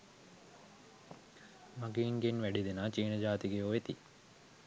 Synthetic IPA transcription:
maɡeiŋɡenʋæɖid̪enaːt͡ʃiːnəd͡ʒaːt̪iɡeoet̪i

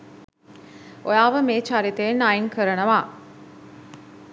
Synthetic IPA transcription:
ojaːʋəmeːt͡ʃaɾit̪eenaiŋkʰəɾənəʋaː

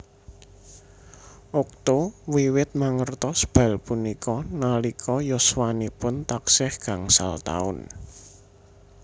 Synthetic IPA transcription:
ʔʊk̚t̪owiwɪt̪̚maŋərt̪ɔsb̥a̤lpunikɔnalikʰɔjɔswanipʊnt̪aksɪhɡ̥a̤ŋsa̰lt̪a̰ʊ̰n

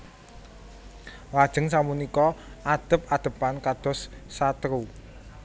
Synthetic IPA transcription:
wad̥ʒ̥ə̤ŋsamunikɔad̪̥ə̤p̚ad̪̥ə̤pankad̪̥ɔ̤sːat̪ɾu

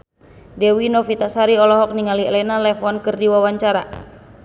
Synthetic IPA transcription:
dɛwinɔfit̪asaɾiɔlɔɦɔk̚niŋaliɛlɛnalɛfɔnkɨrdiwawaɲt͡ʃaɾa

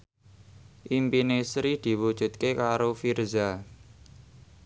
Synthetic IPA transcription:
ʔimpinesɾid̪̥i̤wud̥ʒ̥ṳt̪̚kekaɾofirza

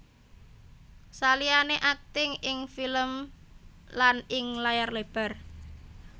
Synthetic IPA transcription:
salianeʔak̚t̪ɪŋɪŋfiləm | lanɪŋlajarleb̥a̤r

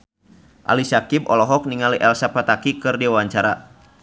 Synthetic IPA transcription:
ʔa̰lisakibɔlɔɦɔk̚niŋaliʔɛlsapat̪akikɨrdiawaɲt͡ʃaɾa

